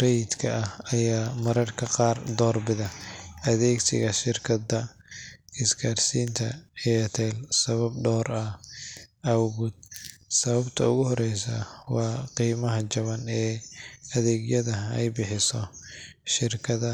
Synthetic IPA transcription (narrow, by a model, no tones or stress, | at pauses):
rɛjd̪kʰɐɐhɐjaːmɐɾɐrkʰɐqɑːrd̪ɔːrbɪðɐʔɐðɛːɡsɪ̰ɣɐʃɪrkʰɐdɐ | ɪskʰaːrsiːnt̪ʰɐ̰ɛjt̪ʰɛːlsɐβɐbɖɔːɾɐ | ɐwɣʊd̪̚sɐβɐbt̪ʰɐʊɣʊhɔɾɛjsɐ̰wɑːqiːmɐɦɐt͡ʃɐβɐnɛːɐðɛːɡjɐðɐɛ̰jbɪħɪsɔ | ʃɪrkʰɐðɐ